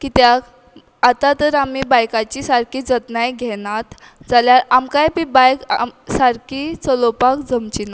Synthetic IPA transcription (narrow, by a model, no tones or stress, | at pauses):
kit̪jak | at̪at̪əɾamibajkat͡ɕisaɾkʰiːd͡zət̪najɡʱɛɽ̃at̪ | d͡zaljaɾamkajpibajksaɾkʰit͡səlopakd͡zəmt͡ɕina